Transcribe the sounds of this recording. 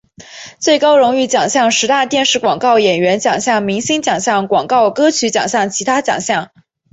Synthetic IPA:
t͡swe˥˩ɪkɑ˥ʊɻʊ˧˥ŋy˥˩t͡ɕjɑ˨˩ŋɕjɑ˥˩ŋʂɻ̩˧˥t̪a˥˧t̪jɛ˥˧nʂɻ̩˥˩kwɑ˨˩ŋkɑ˥˩ʊjɛ˨˩nɥɛ˧˥nt͡ɕjɑ˨˩ŋɕjɑ˥˩ŋmi˧˥ŋɕi˥nt͡ɕjɑ˨˩ŋɕjɑ˥˩ŋkwɑ˨˩ŋkɑ˥˩ʊkɤ˥t͡ɕʰy˧˥t͡ɕjɑ̰˨˩ŋɕjɑ˥˩ŋt͡ɕʰi˧˥t̪ʰa˥t͡ɕjɑ̰˨˩ŋɕjɑ˥˩ŋ

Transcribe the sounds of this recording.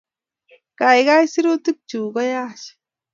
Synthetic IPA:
ka˨jɣajsi˦ɾu˦t̪ɨ˦k̚t͡ʃu˨ɡajaʃ

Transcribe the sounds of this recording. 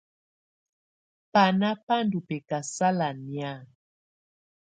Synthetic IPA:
pa˨na˦pa˦ndu˨pɛ˨ka˨sa˦la˨nja˦˨

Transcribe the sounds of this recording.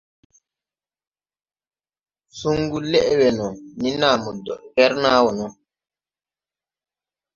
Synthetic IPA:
su˦ŋɡu˦lɛ˦ʔwɛ˨nɔ˨ni˦naː˨mɔ˨dɔ˨ʔvɛ˦ɾnaː˦wɔ˨nɔ˦

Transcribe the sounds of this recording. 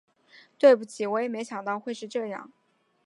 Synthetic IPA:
t̪we˥˩ɪpu˥˩t͡ɕʰi˧˥wɔ˧˥jɛ˨˩me˧˥ɪɕjɑ˨˩ŋt̪ɑ˥˧ʊxwe˥˧ɪʂɻ̩˥˧ʈ͡ʂɤ˥˧jɑ̰˥˩ŋ

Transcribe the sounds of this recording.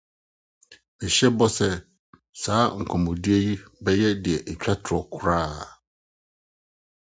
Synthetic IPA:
ɛ˨ɕɛ˦bɔ˦sɛ˦ | saː˨˦ŋ̩˨kʷʰɔ̃˨mɔ̃˨di˦e˦ji˦bɛ˦jɛ˦dɪ˨ɛ˨ʔɛ˨t͡ɕᶣa˦tʰɾɔ˦kʰʊ˨ɾaː˦

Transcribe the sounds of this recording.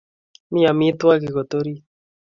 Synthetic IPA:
mi˦a˨mi˦t̪wa˦ki˨ɣo˨t̪o˦ɾi˦

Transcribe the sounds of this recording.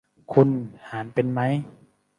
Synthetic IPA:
kʰu˧nhaː˩˦npe˧nma˦˥˨j

